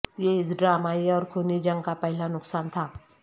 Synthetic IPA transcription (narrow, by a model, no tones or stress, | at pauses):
jeɪt͡sɖɾamaiɔːɾkʰonid͡ʒəŋkapəɦilanʊksant̪ʰa